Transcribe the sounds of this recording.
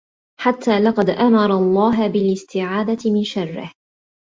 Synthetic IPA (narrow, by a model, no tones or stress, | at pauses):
ħat̪ʰːaːlɑqɑd̪ʔamɑɾˤɑlˤːɑːɦbɪlɪst̪ɪʕaːd̪at̪ɪmɪnʃaɑrˤːɪ̰h